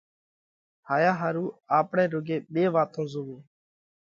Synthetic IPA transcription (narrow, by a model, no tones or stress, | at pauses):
haːjaːɦaːɾuːaːpɳeːɾʊɡeːɓeːʋaːt̪õːzʊʋuː